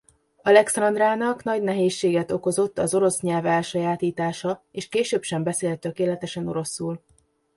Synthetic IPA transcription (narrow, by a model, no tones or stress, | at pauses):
ɒlɛksɒnd̪raːnɒknɒɟnɛɦeːʃːeːɡɛt̪o̞ko̞zo̞t̪ːɒzo̞ɾo̞sɲɛlvɛlʃɒjaːt̪iːt̪aːʃɒeːʃkeːʃøːpʃɛmbɛseːlt̪ːø̞keːlɛt̪ɛʃɛno̞̰ɾo̞sːuːl